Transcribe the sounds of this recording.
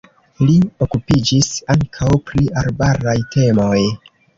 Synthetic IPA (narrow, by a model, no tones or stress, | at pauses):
lio̞kupid͡ʒisaŋkʰawpɾialbaɾajte̞mo̞j